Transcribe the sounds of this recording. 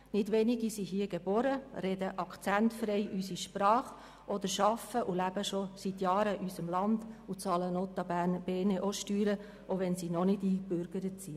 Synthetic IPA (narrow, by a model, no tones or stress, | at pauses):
nɪdʋɛniɡisiɦiːəɡ̥eb̥ɔɾəɾɛdəʔɑkʰt͡sæntfɾɛɪʔysiʃpɾɑːχ | ʔɔd̪əɾʃɑfəʔulæb̥əʃosit̪jɑːɾəʔysəmlɑndut͡sɑːlənɔt̪ɑbæːnb̥eːneʔoʃtyːɾə | oʋɛnsinɔnɪdiːkbøɾɡ̥əɾət͡si